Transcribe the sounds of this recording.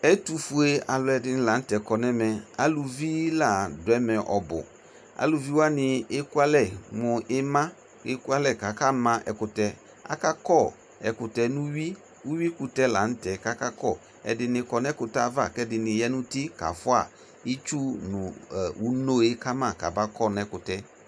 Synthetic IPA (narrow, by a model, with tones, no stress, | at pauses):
ɛ˦tu˨fu˨e˦a˨lʊ˨ɛ˨dɪ˨nɪ˨la˨n̩˦tɛ˨kɔ˨nɛ˦mɛ˨a̰˦lu˨vi˦la˦˨dʊ˨ɛ˦mɛ̃˨ʔɔ˨bʊ̰˨ | a̰˨lu˨vi˦wa˦nɪ˨e˦ku˦a˦lɛ˦˨mʊ˨ʔɪ˦mã˦ | e˦ku˦a˦lɛ˦˨ka˨ka˦mã˦ʔɛ̰˨kʊ˨tɛ˨ | a̰˨ka˦kɔ˦˨ | ɛ˨kʊ˨tɛ˨nũ˦wi˦ | u˦wi˦ku˨tɛ˦la˨n̩˦tɛ˨ka˦ka˦kɔ˦˨ | ɛ̰˨dɪ˨nɪ˧kɔ˨nɛ˦kʊ˨ta˦˨˦va˦˨kɛ˦dɪ˨nɪ˨jɛ˦nʊ̃˦tɪ˦ka̰˨fʊ˦a̰˨ | i˦t͡ʃu˦nʊ˨u˦no˦e˦ka˦mã˦˨ka̰˨ba˦kɔ˦˨nɛ˨˦kʊ˨tɛ˦